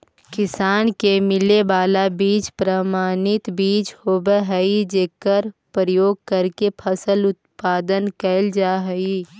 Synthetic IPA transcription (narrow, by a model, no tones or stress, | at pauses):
kɪsaːnkemɪlebaːlabiːt͡ʃpɾəmaːnɪt̪biːt͡ʃhoːbeɦəid͡ʒeːkəɾpɾəjoːɡ̚kəɾkepʰəsəlʊt̪̚paːd̪ənkəld͡ʒaːɦəi